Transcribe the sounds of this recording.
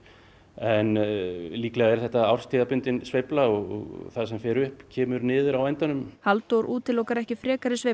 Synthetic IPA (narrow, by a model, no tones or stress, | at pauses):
ɛnliːklɛɣaɛɾθɛht̪aawrst̪ʰiːðapʏnt̪ɪnsvejplaɔɣɔ̰ɣθaðsɛmfjɛːɾʏhpcʰɛːmʏɾnɪːðʏɾawɛnt̪anʏmhalt̪owɾʔuːt̪ɪlɔwkaɾɛhcɪfɾɛːkaɾɪsvej